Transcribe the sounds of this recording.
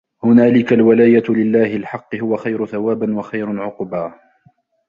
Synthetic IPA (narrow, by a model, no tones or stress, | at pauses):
hʊnaːlɪkalwalaːjalɪlːaːhɪlħɑqːɨhʊwaxajɾʊθawaːbanwaxajɾʊʕʊqbaː